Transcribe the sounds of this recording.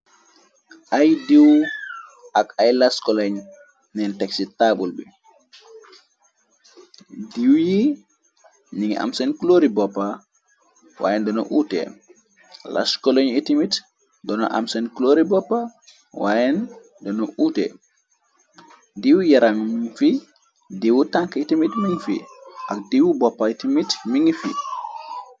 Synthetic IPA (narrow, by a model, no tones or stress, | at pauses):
ʔajdiw | akajlaskɔlaɲ | nɛntɛksitːabulbɛ | diwji | niŋa̰msɛnkloɾibɔpːa | wa̰jɛndɔnɔ̰ʔuːtɛ̰ | la̰skɔloɲitimit | dɔnɔ̰ʔa̰msɛnkloɾibɔpːa | wajɛn | dɔnɔʔuːtɛ̰ | diwjaɾaŋmifi | diwutaŋkitimitmiŋfḭʔak̚diwubɔpːaitimitmiŋfḭ